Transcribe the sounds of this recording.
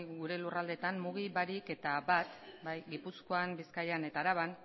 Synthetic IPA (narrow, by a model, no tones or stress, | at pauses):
ɣuɾe̞lurald̪e̞t̪anmuɣiβaɾike̞t̪abat̪bajɡipusko̞ambiskajane̞t̪aːɾaβan